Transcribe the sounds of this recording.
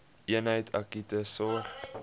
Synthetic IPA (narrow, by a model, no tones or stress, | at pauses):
ʔiənɦəjtʰɐkitəsɔχ